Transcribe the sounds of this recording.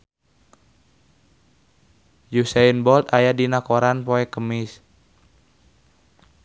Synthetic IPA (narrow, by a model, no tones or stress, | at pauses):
jusainbɔlt̪ajadinakoɾanpoɛkəmɪs